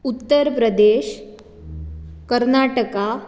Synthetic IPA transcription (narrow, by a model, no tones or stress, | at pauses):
ut̪ːəɾpɾəd̪eɕ | kəɾnaʈəka